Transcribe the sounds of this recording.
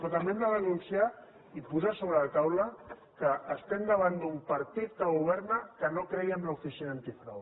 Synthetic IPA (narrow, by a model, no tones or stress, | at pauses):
pɾot̪ambemd̪aðənunsija | ipuzasoβɾəlat̪awlə | kəʔːst̪end̪əβ̞and̪umpɐɾt̪it̪̚kəɣuβ̞ɛɾnəkənokɾɛjəmlaufisinaant̪ifɾa̰w